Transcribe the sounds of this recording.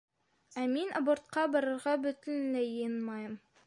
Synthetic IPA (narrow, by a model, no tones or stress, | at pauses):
æminʔɑ̰bŏɾt̪̚qɑbɒ̆ɾɤ̆ɾʁɑbɵ̆t̪ɘnlɘjɤjɤnmɑjɤm